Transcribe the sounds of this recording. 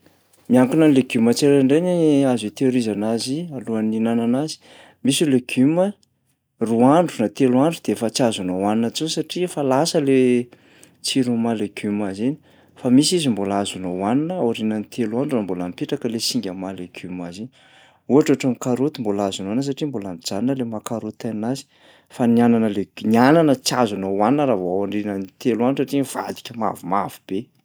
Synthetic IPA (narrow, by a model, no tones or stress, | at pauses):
miaŋkunənleɡumət͡seɾaɳɖ͡ʐeniazit̪eɾizanazialuaninananazi̥ | misuleɡ̥umə | ruaɳɖ͡ʐunat̪eluaɳɖ͡ʐud̪eefət͡siazunawaninət͡sunisaʈ͡ʂifalasəle | t͡siɾumaleɡ̥umazeni̥ | famisizimbolazunowaninəaɾinənit̪ʰeluanɖ͡ʐambolampeʈ͡ʂakəlesiŋɡʲəmaleɡ̥ʲumazeni | uaʈ͡ʂaʈ͡ʂəmikaɾot̪imbolazunannəs̬aʈ͡ʂimbolamid͡zaninəlemakaɾot̪anazi̥ | faniananəleɡniananət͡sazanowaninəɾavoawaɳɖ͡ʐinənit̪elwaniʈ͡ʂsaʈ͡ʂiiv̥a̰d̪i̥kʲəma̰vumavib̥e